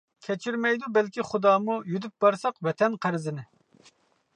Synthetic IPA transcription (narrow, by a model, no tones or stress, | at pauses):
kʲʰɛt͡ʃʰyɾmɛjd̪ubɛlkʲiχud̪ɑːmujyd̪yp̚bɑɾsɑqwɛt̪ʰɛnqʰæɾɪzɪnɪ